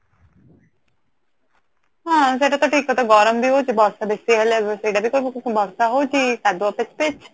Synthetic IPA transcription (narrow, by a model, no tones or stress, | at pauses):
ɦãs̬eʈat̪ɔʈʰiːkɔt̪ɔɡɔɾəmbʱiɦot͡ʃibʱɔɾsabesiɦɛlsɾiːɖabʱikoɾbʱɔɾsaɦot͡ʃisad̪ɔpet͡ʃpet͡ʃʰ